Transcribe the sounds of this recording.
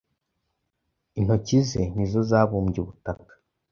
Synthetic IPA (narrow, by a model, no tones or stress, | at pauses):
in̥ho̞cize̞nizo̞zaːβuːmɟeβutakḁ